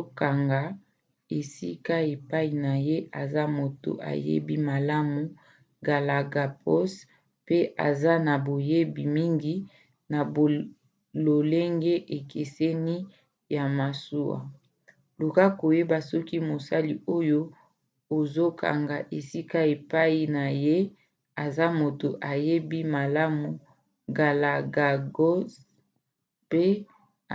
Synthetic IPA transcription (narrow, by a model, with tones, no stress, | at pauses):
o˦ka˨ŋɡa˨ | e˨sḭ˦ka˦e˨pa˦i˨na˨je˦ʔa˨za˦mo˨to̰˨ʔa̰˨jḛ˦bi˦ma˨la˦mu˨ | ɡa˨la˨ɡa˨pʰɔ˦s | pe˦ʔa̰˨za˦na˨bo˨je˦bi˨mi˦ŋɡi˦ | na˨ | lo˨le˦ŋɡe˦ʔe˨kʰe˨se˦ni˦ | ja˨ma˨su˦a̰˨ | lu˨ka˦ko˨je˦ba˨sɔ˦ki˦mo˨sa˦li˨o˦jo˦ | o˨zo˦kʰa̰˨ŋɡa˨ʔe˨si˦ka˦e˨pa˦i˨na˨je˦ | a˨za˦mo˨to˨ʔa˨je˦bi˦ma˨la˦mu˨ | ɡa˨la˨ɡa˨ɡo˦s | pe˦